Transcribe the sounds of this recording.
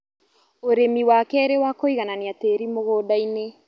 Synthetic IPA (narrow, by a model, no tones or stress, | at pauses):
oɾemiwakɛɾewakoiɣananiateɾimoɣoːdaine